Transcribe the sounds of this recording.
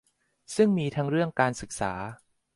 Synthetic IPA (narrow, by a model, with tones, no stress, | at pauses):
sɯ˥˩ŋmiː˧t̪ʰa˦˥ŋɾɯ˥˩əŋkaː˧nsɯ˨˩k̚sa̰ː˩˦